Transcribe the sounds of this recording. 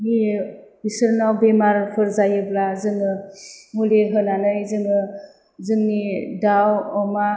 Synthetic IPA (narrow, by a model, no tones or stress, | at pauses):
mi | isɯɾnawbemaɾpʰɯɾzajɯblazɯŋɯmuliɦɯnanɯjzɯŋɯ | zɯŋnidawɔma